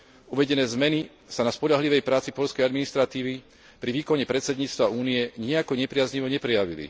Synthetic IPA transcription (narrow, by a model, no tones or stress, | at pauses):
uʋɛɟɛnɛːzmɛni | sanaspɔʎaɦliʋɛjpɾaːt͡sipɔʎskɛjad̪minist̪ɾat̪iːʋi | pɾiʋiːkɔɲɛpɾɛt̪sɛd̪ɲiːt͡st̪ʋauːniɛɲiakɔɲɛpɾɪazɲiʋɔɲɛpɾɛjaʋilḭ